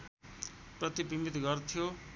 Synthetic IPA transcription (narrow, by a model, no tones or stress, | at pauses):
prʌt̪ibimit̪ɡʌrt̪ʰijo